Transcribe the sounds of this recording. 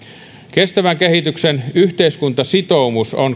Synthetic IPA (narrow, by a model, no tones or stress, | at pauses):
kest̪æʋæŋkehit̪yksenyht̪eiskunt̪ɑsit̪oumuson